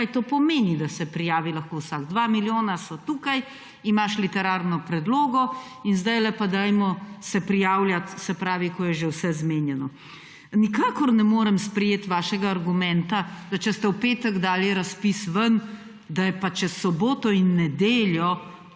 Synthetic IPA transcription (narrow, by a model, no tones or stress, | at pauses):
ajt̪oːpɔmeːnid̪asɛpɾijaːʋilɐxkoːwsaɡd̪ʋamiljoːnasɔt̪uːkaj | imaʃlit̪ɛɾaːɾnɔpɾɛd̪loːɡɔ | inzd̪ajlɛpad̪ajmɔsɛpɾijaːwljat̪sɛpɾaːʋikɔjɛʒewsɛzmenjɛnɔ | nikaːkɔɾnɛmoːɾɛmspɾɛjeːt̪ʋaːʃɛɡaːɾɡumɛ̃nt̪ad̪at͡ʃɛst̪ɛwpeːt̪ɛɡd̪aːliɾaspisʋən | d̪ajɛpat͡ʃɛssɔboːt̪ɔinːɛd̪eːljɔ